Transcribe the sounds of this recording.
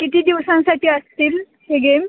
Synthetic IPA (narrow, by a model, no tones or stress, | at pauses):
kit̪iːd̪iʋsãnsaʈʰiːəst̪iːl | heɡem